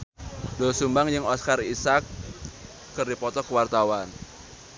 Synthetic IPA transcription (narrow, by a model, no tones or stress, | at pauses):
dɔsumbaŋjɨŋɔskarisakː | ərdipɔt̪ɔkəwart̪awan